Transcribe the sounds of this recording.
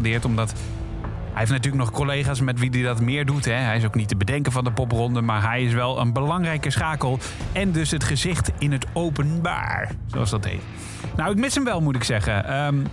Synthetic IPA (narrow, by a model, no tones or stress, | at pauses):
dɪːɹtɔmdɑt | ɦɛjeftnatyːɹlək̚nɔχkolejχaːsmɛtʋididɑtmɪːɹdutɦɛɦɛjɪs̬owknitəbədɛŋkəvɑndəpɔprɔndəmaːɹɦɛjɪs̬ʋɛlˠə̰nbəlɑŋrɛjkəsχaːkəlˠ | ɛndɵsɦətχəzɪχtɪnɦətowpənba̰ːɹzo̰ɑlsdɑtɦḛjt | nawɪkmɪsəmʋɛlˠmutɪksɛχənəm